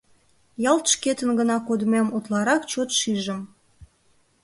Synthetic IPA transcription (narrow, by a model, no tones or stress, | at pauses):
jɑlt̪ʃket̪ənɡənɑkod̪memut̪lɑɾɑkt͡ɕot̪ʃiʒəm